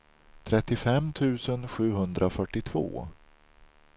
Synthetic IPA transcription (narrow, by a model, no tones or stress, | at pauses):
t̪ʰɾɛt̪ːɪfɛmːt̪ʰʉ̟ːsənɧʉ̟ːɦɵnd̪ɾʔafœʈːɪt̪ʰv̥o̰ː